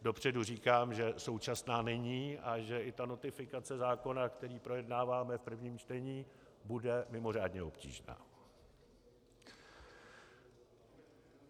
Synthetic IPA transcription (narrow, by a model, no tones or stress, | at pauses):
do̞pr̝̥ɛduriːkaːmʒɛso̞wt͡ʃasnaːnɛɲiːʔaʒɛʔɪt̪ano̞t̪ɪfɪkat͡sɛzaːko̞nakt̪ɛɾiːpɾo̞jɛdnaːvaːmɛfpr̩vɲiːmt͡ʃt̪ɛɲiː | budɛmɪmo̞r̝aːdɲɛo̞pcḭːʒna̰ː